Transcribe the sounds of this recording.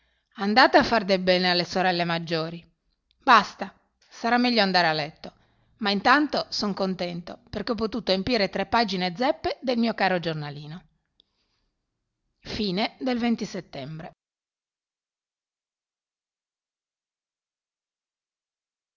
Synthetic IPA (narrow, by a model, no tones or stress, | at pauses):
and̪aːt̪aafːard̪elbɛːnealːesoɾɛlːemad͡ʒːoːɾi | bast̪a | saɾamːɛʎːoand̪aːɾealːɛt̪ːo | maint̪ant̪osoŋkont̪ɛnt̪operkeɔp̬ːot̪uːt̪oempjiːɾet̪ɾepːaːd͡ʒined̪zɛpːed̪elmiːokaːɾod͡ʒornaliːno | fiːned̪elvent̪iset̪ːɛmbɾe